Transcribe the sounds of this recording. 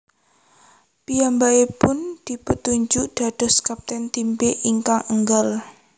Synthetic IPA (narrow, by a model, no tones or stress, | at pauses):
pijambaepʊnd̪̥i̤pət̪uɲd͡ʒʊʔɖ̥a̤ɖ̥ɔ̤skap̚t̪ɛnt̪imbeʔiŋkaŋʔəŋɡəl